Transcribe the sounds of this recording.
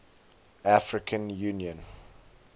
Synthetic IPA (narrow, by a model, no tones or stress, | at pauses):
afɹɪkʰə̃njuːnjə̃n